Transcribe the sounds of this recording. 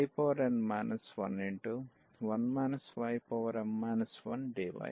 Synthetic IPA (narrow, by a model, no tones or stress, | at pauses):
jpoːʋɐɾɐnɖmaːnʔɐsʋɐ̰niɳʈu | ʋɐnmaːnɐsʋɐjpɔːʋɐɾɐɳmaːnɐsʋɐ̰nɖeːʋɐ̰j